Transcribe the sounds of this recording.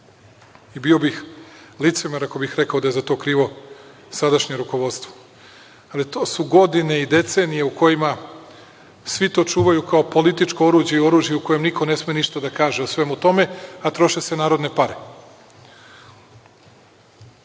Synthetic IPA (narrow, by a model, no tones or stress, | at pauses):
ibio̞bixlit̪semeɾako̞bixɾe̞kaod̪ajezat̪oːkɾiːʋo̞ | sad̪aʃɲeɾuko̞ʋo̞d̪st̪ʋo̥ | alit̪oːsuɡo̞d̪ine̞id̪e̞t̪se̞ːnije̞uko̞jima | sʋit̪o̞ːt͡ʃuːʋajukaopo̞lit̪it͡ʃkoo̞ɾuːd͡ʑjeio̞ɾuːʒjeuko̞jemnikʰo̞ne̞smieniʃt̪ad̪akaːʒe̞osʋe̞mut̪o̞me̞at̪ɾo̞ʃe̞se̞naːɾo̞d̪ne̞paɾe̞